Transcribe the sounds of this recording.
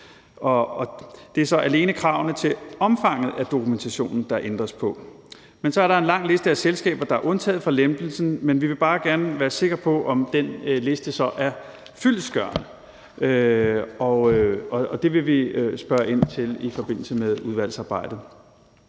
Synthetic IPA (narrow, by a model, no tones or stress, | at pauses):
ʔɒ̽d̥e̝æɐsɒ̽ʔæle̝ːnəkʰʁɑ̈ʊnət͡sʰe̝ɒ̽mfɑ̈ŋ̰ð̞̩ˠæd̥o̝kʰument͡sʰæɕo̝̰ːnn̩d̥ɑ̈ʔend̥ʁɐspʰɒ̽ | mensɒ̽æɐɾɑ̈e̝nlɑ̈ŋ̰le̝sd̥əæselsɡ̥ɛ̰ːb̥ɐd̥ɑ̈æɐʔɔ̽nt͡sʰɛ̰ːð̩ˠfʁɑ̈lemd̥l̩sn̩menʋiʋe̝b̥ɑ̈ːɡ̥æɐnəʋæːɐse̝ɡ̥ʁɐpʰɒ̽ʔɒ̽md̥enle̝sd̥əsɒ̽ʔæɐ | fyl̰sɡ̥ɶɐn | ʔøɒøɒ̽ɒd̥e̝ʋe̝ʋisb̥ɶɐʔe̝n̰t͡sʰe̝lifɒ̽b̥e̝n̰l̩səmeðˠuð̞ˠʋæl̰sɑ̈ːb̥ɑ̈ɪ̰d̥ð̩ˠ